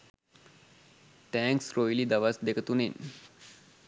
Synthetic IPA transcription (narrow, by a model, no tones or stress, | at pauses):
ʈɛ̃ːŋksɾojlid̪aʋasd̪ekət̪unen